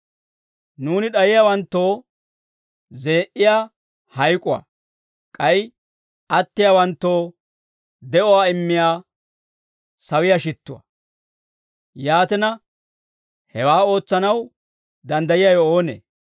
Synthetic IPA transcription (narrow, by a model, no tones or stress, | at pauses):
nuːnɪɗɐjɪjaːwɐnt̪ːo̞ː | ze̞ːʔɪjaː | hɐjkʼʊwa̰ | kʼɐjɪ | ɐt̪ːɪjaːwɐnt̪ːo̞ː | d̪ɛʔɔwaːɪmːɪjaː | sɐwɪjaʃɪt̪ːʊ̰wɐ̰ | jaːt̪ɛnɐ | hɛwaːo̞ːt͡sːɐnɐw | d̪ɐnd̪ɐjɪjajɔoːnḛː